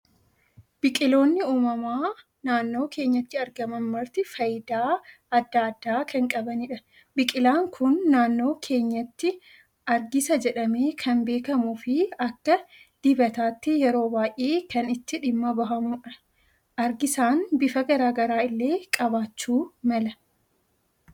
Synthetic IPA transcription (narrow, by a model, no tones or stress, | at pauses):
b̥ɪkʼɪlo̞ːnːɪuːmɐmaː | naːnːo̞ːkʰe̞ːɲːɐt̪ːɪɐɾɡɐmɐnmɐɾt̪ɪfɐjd̪aː | ɐd̪ːaɐd̪ːaːkʰɐŋkʼɐbɐnɪᶑɐ | bɪkʼɪlaːŋkʰʊnːaːnːo̞ːkʰe̞ːɲːɐt̪ːɪ | ɐɾɡɪsɐd͡ʒɛᶑɐmeːkʰɐnbe̞ːkɐmufɪɐkːɐ | d̪̥ɪbɐt̪aːt̪ːɪjɛɾo̞ːbaːʔʔeːkɐnɪt̪ːɪᶑɪmːɐbɐɦɐmʊᶑɐ | ɐɾɡɪsaːnbɪfɐɡɐɾaːɡɐɾaːɪlːe̞ːkʼɐbaːt͡ʃːuːmɐlɐ